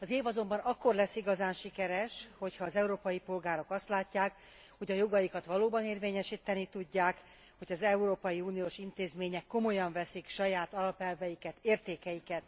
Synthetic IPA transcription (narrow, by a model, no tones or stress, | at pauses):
ɒzeːvɒzo̞mbɒnɒkːo̞rlɛsːiɡɒzaːnʃikɛɾɛʃho̞cʰhɒːzɛuɾoːpɒjipo̞lɡaːɾo̞kɒst̪laːcːaːk | ho̞ɟɒjo̞ɡɒjikɒt̪ʋɒloːbɒneːrveːɲɛʃiːt̪ːɛnit̪uɟːaːk | ho̞ɟɒzɛuɾoːpɒjiuːnijoːʃint̪eːzmeːɲɛkːo̞mo̞jɒɱvɛsikʃɒjaːt̪ɒlɒpɛlvɛjikɛt̪eːrt̪eːkɛjikɛt̪